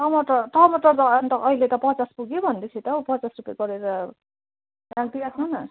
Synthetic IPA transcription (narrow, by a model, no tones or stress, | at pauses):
tʌmʌʈʌʈʌmʌʈʌrt̪ʌnt̪ʌʔʌilet̪ʌpʌt͡saspuɡjobʱʌnd̪et͡sʰit̪ʌupʌt͡sasrupjaɡʌɾeɾʌ | raɡ̚d̪iɾakʰõnʌ